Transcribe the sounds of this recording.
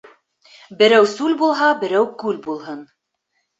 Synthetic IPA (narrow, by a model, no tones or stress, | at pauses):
bɘ̆ɾæwsʉlbulˠɦɑbɘ̆ɾæwkʉlbulˠɦɤn